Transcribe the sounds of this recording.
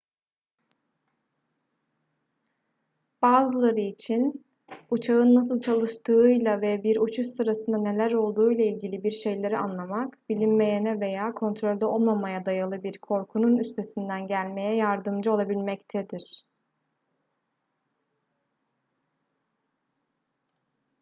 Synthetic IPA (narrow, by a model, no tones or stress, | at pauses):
b̥aːzɯlˠaɾɯit͡ʃʰin | ut͡ʃʰaɯnːas̬ɯlˠt͡ʃʰalˠɯʃt̪ʰɯjlˠavɛbiɾut͡ʃʰuʃsɯɾasɯnd̪ane̞lʲæɾo̞lˠd̪uːjlˠailʲɟilʲibiɾʃe̞jlʲe̞ɾia̰nlˠamakbilʲimme̞jenɛve̞jaːkʰo̞nt̪ʰɾo̞lʲd̪ɛo̞lˠmamajad̪ajalˠɯbiɾkʰo̞ɾkʰununyst̪ʰe̞sind̪ænɟælʲme̞jɛjaɾd̪ɯmd͡ʒɯo̞lˠabilʲmɛct̪ʰɛd̪iɾ̥